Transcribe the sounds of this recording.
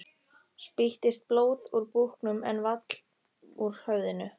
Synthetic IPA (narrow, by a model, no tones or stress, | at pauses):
spiht̪ɪst̪̚ploːwðuɾpuhknʏmɛnvat̪l̥ | uɾ̥hœːɥðɪnʏ